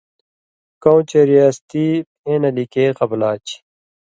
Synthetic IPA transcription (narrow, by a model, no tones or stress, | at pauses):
kow̃t͡ɕeɾiast̪ipẽːnɐlikeːqɐblaːt͡ɕ